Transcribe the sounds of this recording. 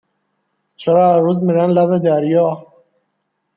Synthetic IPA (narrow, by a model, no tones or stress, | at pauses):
t͡ʃʰeɾɒːæɾuːzmiɾænlæbed̪æɾjɒː